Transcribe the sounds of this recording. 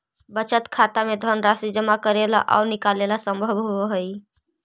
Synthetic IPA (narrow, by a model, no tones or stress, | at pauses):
bət͡ʃət̪kʰat̪amed̪ʱənɾasid͡ʒəmakəɾela̰ʔa̰unikalelasəmbʱəbɦoɦəj